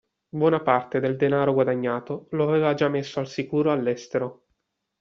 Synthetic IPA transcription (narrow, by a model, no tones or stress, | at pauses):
bwɔnapart̪ed̪eld̪enaːɾoɡwad̪aɲːaːt̪oloaveːvad͡ʒamːesːoalsikuːɾoalːɛst̪eɾo